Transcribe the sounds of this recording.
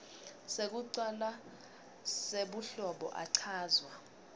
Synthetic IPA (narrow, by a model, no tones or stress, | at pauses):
sek̬uǀala | seɓuɬɔɓɔ̰ʔaǀʰaːzwa